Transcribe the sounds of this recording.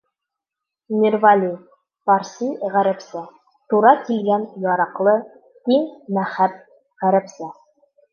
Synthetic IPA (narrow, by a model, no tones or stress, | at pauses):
nʲɪrvalʲi | pɑɾsʲijʁæɾæ̆psæ | t̪uɾɑkilɡænjɒɾɑqlˠɤ | t̪iŋmæχæp̚ | ʁæɾæ̆psɘ